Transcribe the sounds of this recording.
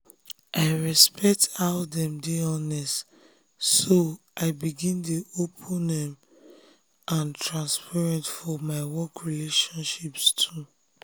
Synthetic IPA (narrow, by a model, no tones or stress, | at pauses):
ʔaɪɹɛspʰɛk̚taʊdɛ̃mdiɔnɛst | soʔaɪbiɡĩndeopʰũnɛ̃m | ʔãntʰɹãnspʰɛɹɛ̃ntfɔmaɪwɔkɹileʃɔ̃nʃipstʰu